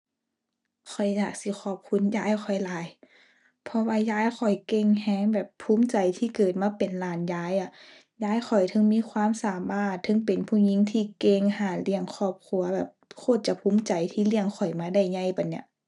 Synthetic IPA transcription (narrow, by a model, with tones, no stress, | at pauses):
kʰɔ˨˩jjaː˨˩k̚si˧˦xʰɔː˧˩p̚kʰu˧˥˨njaː˧˥˨jxʰɔ˨˩jlaː˨˦j | pʰɔ˧waː˧jaː˧˥˩jxʰɔ˨˩jke˧ŋhɛː˧˥˩ŋbɛː˨˩pʰːuː˧˥˦mt͡ɕa˨jt̪ʰiː˧˩kɤː˨˩t̪̚maː˧˥pe˨nlaː˧˩njaː˧˥jʔa˧˩ | jaː˧˥˩jxɔ˨˩jt̪ʰɤ˧˥˦ŋmiː˧˥˨kʰwaː˧˥˨msaː˨˦maː˧˥˩t̪ʰːɤ˧˥˨ŋpe˨˩npʰuː˧˩ɲi˧˥˨ŋt̪ʰiː˧˩ke˧˨ŋhaː˧˩li˧˩əŋkʰɔː˧˩p̚kʰu˧˥ɐbɛː˨˩p̚kʰoː˧˩t̪̚t͡ɕa˧˦pʰuː˧˥˦mt͡ɕa˨˩jt̪ʰiː˧˩li˧˩əŋkʰɔ˨˩jmaː˧˥da˧˩˨jɲa˧˩jpa˨˩nːi˧˩ɐ˨ʔ